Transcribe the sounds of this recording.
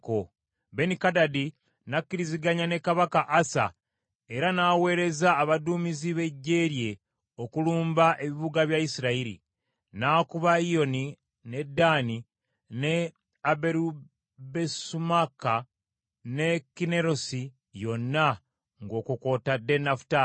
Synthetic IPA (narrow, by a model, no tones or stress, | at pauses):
ko | be̞nikadadi | nakːiɾiziɡaɲane̞kaβakaʔasa̰ | eɾanaːwe̞ːɾe̞zaːβaduːmiziβe̞ɟːe̞ːɾje̞ | o̞kuluːmbaʔe̞βiβuɡaβjaisiɾaiɾḭ | naːkuβaio̞ni | ne̞dːaːni | ne | abeɾu | besumaka | ne̞kine̞ɾo̞si | jo̞nːa | ŋɡo̞ːkuko̞ːtadːe̞nafu̥taː